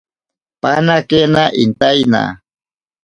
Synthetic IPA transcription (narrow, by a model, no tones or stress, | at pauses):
panakenaʔint̪ajna̰